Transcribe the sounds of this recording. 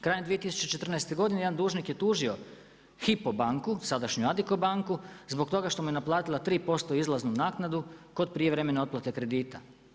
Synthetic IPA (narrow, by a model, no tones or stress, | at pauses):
kɾaːjemd̪iet̪isu̥t͡ɕe̞t͡ʃe̞t̪rnɛjst̪e̞ɡo̞d̪inejd̪and̪uːʒnikje̞t̪uːʒio̞ | xipobaŋkusad̪aʃɲuad̪ikobaŋkuzbo̞kt̪o̞ɡaʃt̪o̞muje̞naplˠaːt̪ilˠat̪ɾiːpo̞st̪o̞izlˠaznunaːknad̪uko̞d̪̚pɾijeʋɾeme̞naot̪plat̪e̞kɾe̞d̪iːt̪a